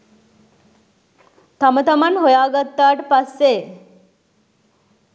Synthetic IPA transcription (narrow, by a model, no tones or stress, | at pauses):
t̪ʰamət̪əmanɦojaɡət̪ːaʈpasːe